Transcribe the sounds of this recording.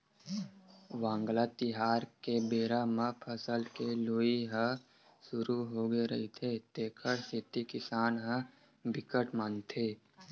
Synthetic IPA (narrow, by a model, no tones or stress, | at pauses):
ʋãːŋɡlat̪ɪɦaːɾkebeːɾamãpʰəsəlkeloːiɦə̃ | sʊɾuɦoɡeɾɐɦit̪ʰet̪eːkʰəɾsɪt̪ikɪsaːnɦə̃ | bɪkəʈmant̪ʰeː